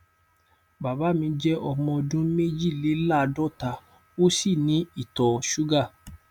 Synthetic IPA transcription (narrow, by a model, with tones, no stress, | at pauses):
ba˨ba˨˦mĩ˧˦d͡ʒɛ˦ʔɔ˧mɔ̃˧dũ˦me˦d͡ʒi˦˨le˨˦la˦˨˧dɔ˦˨ta˧ | o˦si˦˨nĩ˨˦i˦˨tɔ˨ʃu˦ɡa˦˨